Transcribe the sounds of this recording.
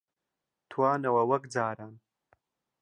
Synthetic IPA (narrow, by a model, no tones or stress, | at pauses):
t̪ʰwaːnɐwɐwɐkd͡zaːɾan